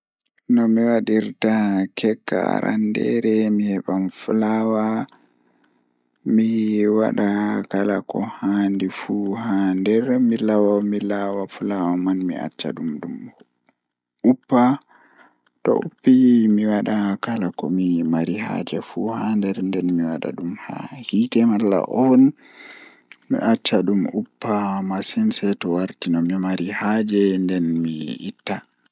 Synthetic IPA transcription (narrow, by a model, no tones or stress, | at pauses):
nɔmiwaɗiɾtakʰɛkːa̰ɾʔa̰ndɛ̰ɾɛmihɛɓanfulawa | miwa̰ɗakalakɔ̰handifuhandɛɾmilawamilawafulawamanmḭa̰t͡ʃːa̰ɗumdum | ʔupːa | tɔ̰ʔṵpːimiwaɗakalakɔ̰mimaɾiha̰d͡ʒɛfuhandɛɾndɛnmiwaɗa̰ɗumha̰hitɛmalːa̰ʔɔn | mḭʔat͡ʃːaɗumupːamasɛnsɛtɔwaɾtinɔmimaɾihad͡ʒɛndɛnmiitːa